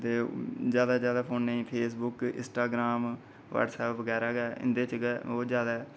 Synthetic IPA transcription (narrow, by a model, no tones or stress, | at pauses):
t̪eːzjaːd̪aːzjaːd̪aːpʰoːnnaĩːpʰeːs̬bʊkɪ̰̃sʈaːɡɾaːm | ʋa̰ːʈsɛːpʋəɡɛːɾaːɡɛːɪ̰nd̪eːt͡ʃɡːoːd͡ʒjaːd̪a